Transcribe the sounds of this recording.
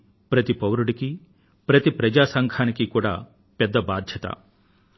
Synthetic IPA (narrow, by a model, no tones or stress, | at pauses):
pɾɐt̪ipɐwɾuɽiki | pɾɐt̪ipɾɐd͡ʒaːsɐŋɡʰʱaːnikikuːɽa̰ː | pɛd̪ːɐbaːd̪ʱjɐt̪ɐ̰